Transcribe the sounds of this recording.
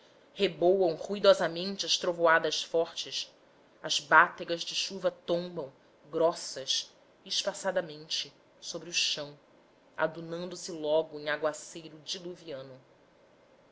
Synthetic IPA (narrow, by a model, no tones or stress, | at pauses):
hebowɐ̃w̃ʁuid̪ɔzamẽnt͡ʃɪɐʃt̪ɾovoad̪ɐʃfɔχt͡ʃɪs | ɐzbat̪eɡɐzd͡ʒɪʃuvɐt̪õmbɐ̃w̃ | ɡɾɔsɐʃ | iʃpasad̪ɐmẽnt͡ʃɪ | sobɾiuʃɐ̃w̃ | a̰d̪unɐ̃nd̪ʊsɪlɔɡʊẽŋ̃aɡwasejɾʊd͡ʒiluviɐ̃nʊ